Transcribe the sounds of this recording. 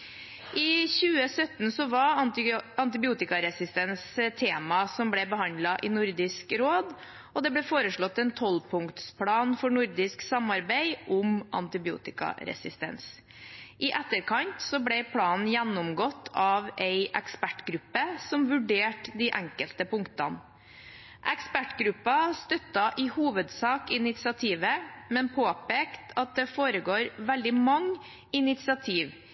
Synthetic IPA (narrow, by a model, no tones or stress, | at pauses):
ʔɪçʉːəsœt̪n̩sɔʋɑɾɑɑnt̪ɪbɪuːt̪ɪkɑɾɛsɪst̪ɛnst̪ʰeːmɑsɔmblɛbəhɑnd̪lɑʔɪnʊɾd̪ɪskɾoːd̪ | ɔd̪ɛblɛfoːɾəʂɭɔt̪ːɛnt̪ʰɔlpʰʊŋkt̪spʰlɑːnfɔɳʊɾd̪ɪsksɑmɑɾbæɪʔʊmɑ̰nt̪ɪbɪṵːt̪ɪkɑ̰ɾɛ̰sɪst̪ɛ̰ns | ʔɪʔɛt̪ːəɾkʰɑnt̪sɔblɛɪpʰlɑːn̩jænːɔmɡɔt̪ʰːɑʋɛɪʔɛkspæʈɡɾʉpːəsɔmʋʉɖeːʈd̪iʔæŋkəlt̪əpʊŋt̪ɑn | ʔɛkspæʈɡɾʉpːɑst̪œt̪ːɑʔɪhuːʋəd̪sɑːkɪnɪt̪sɪɑt̪ʰiːʋəmɛnpʰoːpeːkt̪ʰɑt̪̚d̪ɛfoːɾəɡoːɾʋɛld̪ɪmɑŋː | ɪnɪt̪sɪɑt̪ʰiːʋ